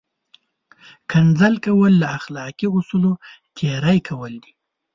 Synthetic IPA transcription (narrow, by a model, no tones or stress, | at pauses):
kʰand͡zalkawəlːaaxlɑkiʊsulo | t̪ʰeɾajkʰawəld̪i